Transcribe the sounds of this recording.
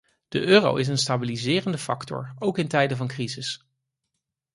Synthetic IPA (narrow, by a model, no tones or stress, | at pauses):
d̥əʔøːro̰wʔɪs̬ənstaːbilizɪːrəndəfɑktɔ̰ɹowkɪntɛjdəvɑnkrizɪs